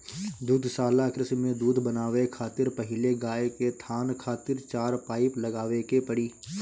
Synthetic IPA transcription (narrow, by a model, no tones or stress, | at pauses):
d̪uːd̪ʱsaːlakɾɪsmẽd̪uːd̪ʱbənaːʋekʰaːt̪ɪɾpɐɦɪleɡaːeket̪ʰaːnkʰaːt̪ɪɾt͡ʃaːɾpaːɪplɐɡaːʋekepɐɽiː